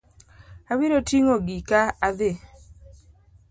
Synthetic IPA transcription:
abiɾotiŋoɡikaːðe

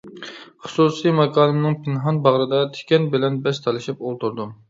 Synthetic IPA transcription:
χʊsusijmɛkʰɑːlɨmnɨŋpʰɪnɦɑnbɑʁɾɨd̪ɑt̪ʰe̥kʲɛnbɪlɛnbɛst̪ʰɑlˠɪʃipolˠt̪uɾd̪u

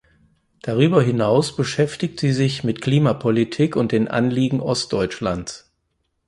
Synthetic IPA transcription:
d̥aʁyːbɐɦɪnaʊsb̥əʃɛftɪçtz̥iːzɪçmɪtkl̥iːmapʰɔlitʰiːkʊnt̚d̥eːnʔa̰nliːɡŋ̩ʔɔstd̥ɔʏt͡ʃlans

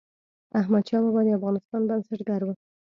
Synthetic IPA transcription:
aɦmad̪̚t͡ʃɑlabɑd̪eafɣɑnɪst̪ɑnbansaʈɡaɾwə

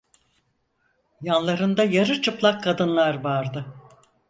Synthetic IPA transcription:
janlˠaɾɯnd̪ajaɾɯt͡ʃʰɯplˠakʰːad̪ɯnlˠaɾvaɾd̪ɯ

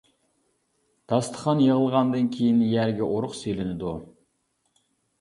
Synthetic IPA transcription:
d̪̥ɑst̪ʰə̥χɑnjeʁəlˠʁɑnd̪ɨnkʲʰejinjæɾɡʲɛʔoɾʊqselɪnɪd̪u

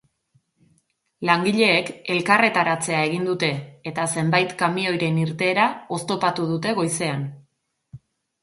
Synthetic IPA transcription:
laŋɡiʎe̞ːke̞lkare̞t̪aɾat͡se̞ae̞ɣind̪ut̪e̞ːt̪ase̞mbajt̪kamio̞jɾe̞niɾt̪e̞ːɾao̞st̪o̞pat̪uð̞ut̪e̞ɣ̞o̞jse̞an

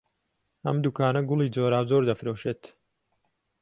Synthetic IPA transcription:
ʔɐ̰md̪ukaːnɐɡʊlˠiːd͡zoːɾaːwzoːɾd̪ɐfɾoːʃeːt̪

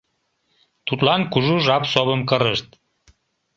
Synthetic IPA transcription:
t̪ut̪lɑnkuʒuʒɑpsoβəmkəɾəʃt̪

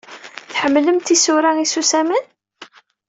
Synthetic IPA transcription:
θħəmːləmt̪isuɾaisusæmən

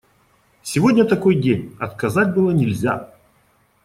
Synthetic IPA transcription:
sʲɪvo̞dʲnʲət̪ɐkojdʲenʲɐt̪kɐzatʲbɨlˠənʲɪlʲzʲa̰

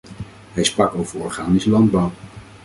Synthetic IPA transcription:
ɦɛjsprɑkowv̥əɹɔɹχaːnisəlɑnd̚bʌw

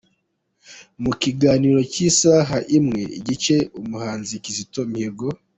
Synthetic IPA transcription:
mukiɡaːniɾo̞cisaɦaʔimŋe̞ḭɟit͡ʃe̞umuhaːnzikizitomieɾɡo

